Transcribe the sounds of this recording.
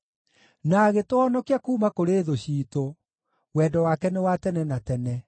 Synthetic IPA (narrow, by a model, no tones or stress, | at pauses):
naːɣetoɔnɔkiakuːmakoɾeːðoɕiːto | wɛːdɔwakɛnewatɛnɛnatɛnɛ